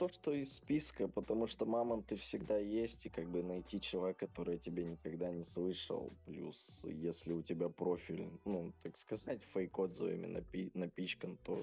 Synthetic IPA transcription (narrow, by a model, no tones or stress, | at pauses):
t̪o̞ʂt̪oɪsːpʲiskəpət̪ɐmuʂt̪omaməmt̪ɨfsʲɪɡd̪ajesʲtʲikaɡ̚bɨnɐjtʲit͡ɕɪlˠɐekːɐt̪o̞ɾɨjətʲɪbʲenʲɪkɐɡd̪anʲɪslˠɨʂə̰lˠplʲṵsjesʲlʲɪʊtʲɪbʲapɾofʲilʲnnut̪akskɐzatʲfəjkod̪zəvə̰mʲɪ̰nɐ̰pʲinɐpʲit͡ɕkənt̪o